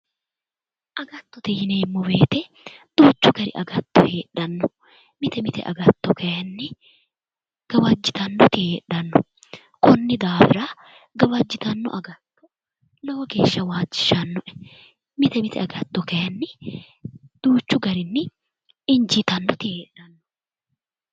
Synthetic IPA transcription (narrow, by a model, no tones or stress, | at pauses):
ʔɐɡɐt̪ːɔt̪ɪhɪneːmːɔbeːt̪ɛ | d̪̥uːt͡ʃːʊɡɐɾɪ̰ʔɐ̰ɡɐt̪ːɔheːᶑɐnːɔ | mɪt̪ɛmɪt̪ɛ̰ʔɐ̰ɡɐt̪ːɔkɐjɐnːɪ | ɡ̥ɐwɐd͡ʒːɪt̪ɐnːɔt̪ɪheːᶑɐnːɔ̰ | kɔnːɪd̪aːfɪɾɐ | ɡɐwɐd͡ʒːɪt̪ɐnːɔ̰ʔɐɡɐt̪ːɔ̥ | loːɔɡe̞ːʃːɐwaːd͡ʒːɪ̥ʃɐnːɔʔɛ̥ | mɪt̪ɛmɪt̪ɛ̰ɐɡɐt̪ːɔkɐjɐnːɪ | d̪̥uːt͡ʃːʊɡɐɾɪnːɪ | ɪnd͡ʒɪt̪ɐnːɔt̪ɪheːᶑːɐnːɔ̥